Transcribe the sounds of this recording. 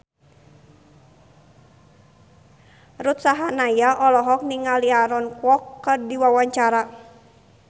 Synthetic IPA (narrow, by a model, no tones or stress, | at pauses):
rut̪saɦanajaʔɔlɔɦɔk̚niŋaliaɾɔnkwɔkːərdiwawaɲt͡ʃaɾa